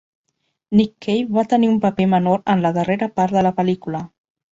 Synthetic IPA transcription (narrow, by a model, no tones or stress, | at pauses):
nikʰːejβat̪əniumpəpemənoɾənləðəreɾəpaɾt̪ðələpəlikulə